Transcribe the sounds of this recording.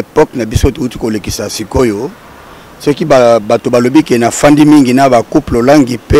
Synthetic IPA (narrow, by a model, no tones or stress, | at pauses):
pɔknabisotoutikolekisasikojo | sɔkibabatobalobikenafandimiŋɡinabakuplolaŋɡipe